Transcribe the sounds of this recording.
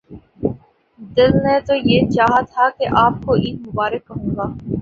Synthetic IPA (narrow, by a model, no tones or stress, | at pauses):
d̪ɪlnet̪ojeːt͡ʃaːɦat̪ʰakeʔaːp̚koʔiːmʊbaːɾəkːɐɦũːɡaː